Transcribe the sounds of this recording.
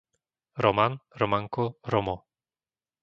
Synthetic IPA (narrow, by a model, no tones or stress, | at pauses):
ɾɔmanɾɔmaŋkɔɾɔmɔ